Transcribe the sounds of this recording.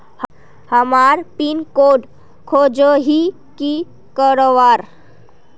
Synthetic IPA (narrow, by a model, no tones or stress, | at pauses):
h | həmaɾpinkoɖ | kʰod͡ʒəɦi | ki | kəɾoʋaɾ